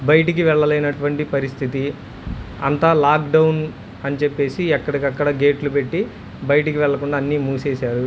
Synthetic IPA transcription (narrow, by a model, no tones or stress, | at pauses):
bɐjɐʈik̬iʋɛɭːɐlejnɐʈuʋɐɳʈipɐɾist̪ʰit̪i | ɐ̰nt̪aːlaːkɖɐwn | ɐnit͡ʃepːe̞ːsiɛkːɐɽɐkɐkːɐɽɐɡe̞ːʈlupe̞ʈːi | bɐjɐʈikiʋɛɭːɐkuɳɖaːnːiːmuːseːsaːɾu